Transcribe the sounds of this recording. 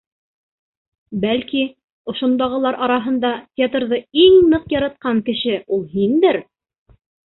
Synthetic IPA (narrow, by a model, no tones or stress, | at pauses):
bælki | ŏʃŏnd̪ɑʁɤ̆lˠɑɾʔɑɾɑɦɤ̆nd̪ɑtʲet̪rðɤiŋnɤqjɑɾɑt̪̚qɑŋkɘ̆ʃɘulˠɦind̪ɘɾ